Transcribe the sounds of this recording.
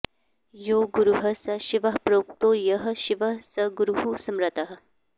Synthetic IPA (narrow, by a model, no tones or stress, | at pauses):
joɡuɾuɦəsɐɕiʋəɦpɾok̚t̪ojəɦəɕiʋəɦsəɡuɾuɦusɐmɾɐt̪ɐɦə